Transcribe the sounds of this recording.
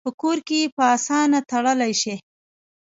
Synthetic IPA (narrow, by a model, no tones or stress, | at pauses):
pəkoɾkejepəɑsɑnat̪aɽəlajʃe